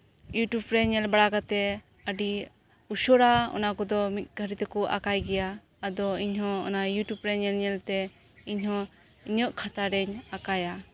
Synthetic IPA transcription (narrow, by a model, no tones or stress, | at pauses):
juʈjubɾɛɲɛlbaɽakat̪ɛ | əɖi | uʃɔɾaɔ̰nakɔd̪ɔmit̪̚ˀɡʱəɾit̪ɛkɔʔa̰kajɡɛjaː | d̪ɔiɲɦɔ̃ɔ̰najuʈjubɾɛɲɛlɲɛlt̪ɛ | iɲɦɔ̃ | iɲɔʔkʰat̪aɾɛɲakaja